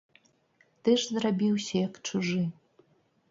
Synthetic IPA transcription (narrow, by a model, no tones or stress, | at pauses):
t̪ɨʂzrabʲiwsʲɐjakʈ͡ʂʰuʐɨ